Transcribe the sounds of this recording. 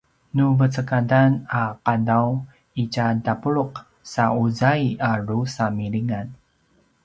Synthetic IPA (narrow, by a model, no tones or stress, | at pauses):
nuvət͡səkadanaqadaw | icadapuɭuq | sauzajaɾusamiɭiŋan